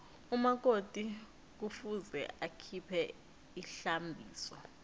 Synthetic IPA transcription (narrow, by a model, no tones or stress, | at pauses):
umak̬otʼi | k̬ufuzɛ̰ʔakʰipʰɛ | iɬambʱiːsɔ